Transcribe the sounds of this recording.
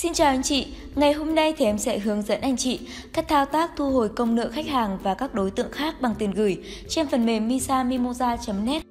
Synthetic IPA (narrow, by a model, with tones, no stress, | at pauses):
si˧nt͡ɕaː˨˩wʔa˨˦ŋ̟t͡ɕḭ˧˨ | ŋa˨˩jɦo˧mna˧jt̪ʰɛ˨˦msɛ̰˧˥ɦɨ˨˦əŋzə̰˧˥nʔa˧jŋ̟t͡ɕḭ˧˨ | kaː˦˥k̚t̪ʰaː˧wt̪aː˦˥k̚t̪ʰu˧ɦo˨˩jkə˧wŋ͡mnɨ̰˧˨xa˦˥k̟̚haː˨˩ŋvaː˨˩kaː˦˥k̚ɗo˨˦jt̪ɨ̰˧˨əŋxaː˦˥k̚ɓa˨˩ŋt̪i˨˩ənɣɨ˨˩j | t͡ɕe˧nfə˨˩nme˨˩mːi˧saː˧mi˧mo˧zaː˧t͡ɕə˨˦mnɛ˦˥t̚